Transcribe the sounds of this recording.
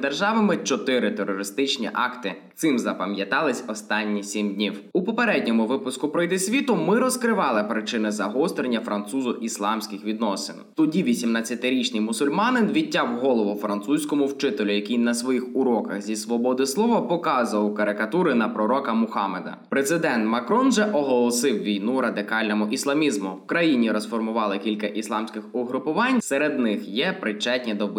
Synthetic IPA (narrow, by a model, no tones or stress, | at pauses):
d̪erʒɑʋɐmɪt͡ʃɔt̪ɪɾɪt̪eɾɔɾɪst̪ɪt͡ʃnʲḭʔɑ̰kt̪ɪt̪sɪmzɐpɐmjɐt̪ɑlˠɪsʲɔst̪ɑnʲːisʲimdʲnʲiwupɔpeɾɛdʲnʲɔmʊʋɪpʊskʊpɾɔjd̪ɪsʲʋʲit̪ʊmɪɾɔskɾɪʋɑlˠɪpɾɪt͡ʃɪnɪzɐɦɔst̪ɾenʲːɐfɾɐnt̪suzʊʔislˠɑmsʲkʲɪxʋʲid̪nɔsɪ̰nt̪ʊdʲiʋʲisʲimnat͡sʲːɐt̪ɪɾʲit͡ʃnʲijmʊsʊlʲmɑnɪnʋʲitʲːawɦɔlˠɔʋɔfɾɐnt̪susʲkɔmʊwt͡ʃɪt̪elʲʊjɐkʲijnɐsʋɔjixʊɾɔkɐxzʲisʋɔbɔd̪ɪslˠɔʋɐpɔkɑzʋɐwkɐɾɪkɐt̪uɾɪnɐpɾɔɾɔkɐmʊxɑmed̪ɐ̰pɾezɪd̪ɛnt̪mɐkɾɔnʒɛʔɔɦɔlˠɔsɪwʋʲijnuɾɐd̪ɪkɑlʲnɔmʊʔislˠɐmʲizmʊwkɾɐjinʲiɾɔsfɔrmʊʋɑlˠɪkʲilʲkɐʔislˠɑmsʲkɪxɔɦɾʊpʊʋɑnʲseɾed̪nɪxjɛpɾɪt͡ʃɛtʲnʲid̪ɔ